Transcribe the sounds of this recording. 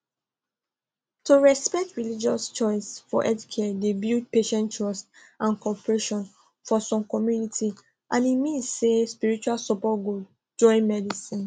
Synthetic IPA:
tuɹɛspɛk̚tɹilid͡ʒɔst͡ʃɔɪsfɔʔɛdkʰɛdebit̚peʃɛ̃ntɹɔst | ãnkɔpɹeʃɔ̃n | fɔsɔ̃mkɔmjunitʰi | ʔãnimĩnsːespiɹit͡ʃualsɔpɔt̚ɡo | d͡ʒɔ̃ɪ̃nmɛdisĩn

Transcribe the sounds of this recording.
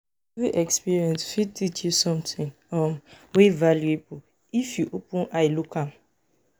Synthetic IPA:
ɛviʔɛkspiɹiɛ̃nsfid̚tit͡ʃjusɔ̃mtĩŋ | ɔm | wevaljuebu | ifjuʔopũnajlukʰãm

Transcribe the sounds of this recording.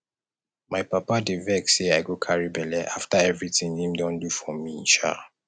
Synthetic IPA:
maɪpapadevɛkseaɪɡokʰaɹibɛlɛʔaftaɛvɹitĩŋhĩmdɔ̃ndufɔmĩnʃa̰

